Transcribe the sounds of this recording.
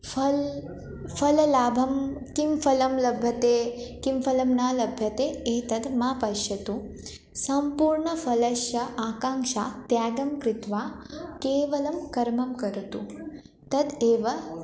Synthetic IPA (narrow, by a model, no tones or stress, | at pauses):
fʰɐl | fʰɐlɐlaːbʱɐmkimfɐlɐmlɐbʱjɐt̪eːkimfʰɐlɐmnaːlɐbʱjɐt̪eːeːt̪ɐd̪maːpɐʃjɐt̪u | sɐmpuːɾɳɐfʰɐlɐʃjɐʔaːkaːŋʃaːt̪jaːɡɐmkɾɪt̪ʋaːkeːʋɐlɐmkɐɾmɐmkɐɾt̪u | t̪ɐd̪eːʋɐ